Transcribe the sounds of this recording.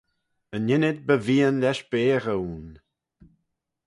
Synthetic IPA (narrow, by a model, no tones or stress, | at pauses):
ənɪnɪd̪̚bəviːənlʲɛʃb̥eːɾəwn